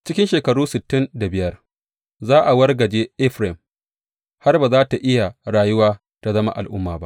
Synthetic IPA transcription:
t͡ʃɪ˦kʲɪ˦nʃeː˨kɐ˨ɽuː˦sɪ˨tːɪ˦nda˨bɪ˨jɐ˦r | zaː˦ʔa˨wɐ˦rɡɐ˨d͡ʒeː˦ʔɛ˦ɸɾɛ˨m | ha˦rbaː˨zaː˦ta˨ʔɪ˦ja˨ɽaː˨jʊ˦waː˦ | ta˨zɐ˦ma̰˦ʔa̰˨lʔʊ˦mːaː˨ba̰˦ʔ

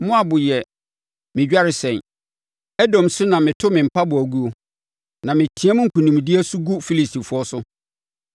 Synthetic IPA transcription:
mʊ̃˦a˨bʊ˨jɛ˨ | mɪ̃˨d͡ʑᶣa˦ɾɪ˨sɛ̃˨n | ɛ˦dɔ̃˨msʊ˦nã˨mɪ̃˨tʰʊ˦mɪ̃˨m̩˨pʰa˦bʊ˨æ˨ɡu˦o˦ | nã˨mɪ̃˨tʰĩ˨˦a˦mʊ̃˦ŋ̩˦kʰũ˨nũ˨m˨dɪ˦æ˦sʊ˦ɡu˦fi˦li˨sti˨fʊ˦ɔ˦sʊ˦

